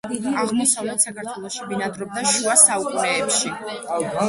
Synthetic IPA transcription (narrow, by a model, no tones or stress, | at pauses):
aʁmɔsavlɛt̪sakʰaɾt̪ʰwɛlˠɔʃibinad̪ɾɔb̚d̪aʃuasaukʼunɛːpʃi